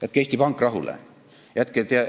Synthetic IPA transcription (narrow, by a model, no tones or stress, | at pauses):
et̪̚ˑke̞sʲt̪ipɑŋkːˑrɑɦulḛ | jæt̪ket̪e